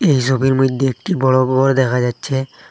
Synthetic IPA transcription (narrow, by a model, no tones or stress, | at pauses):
ejʃobʱiɾmɾid̪ʱːeek̚ʈibɔɽobbɔɾd̪ɛkʰad͡ʑatːɕʰe